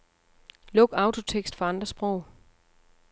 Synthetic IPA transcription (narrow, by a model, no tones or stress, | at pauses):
lɔ̽ɡ̥ɑ̈ʊt͡sʰo̝t͡sʰeɡ̥sd̥fɒ̽ɑ̈nd̥ʁɐsb̥ʁɔʊ̰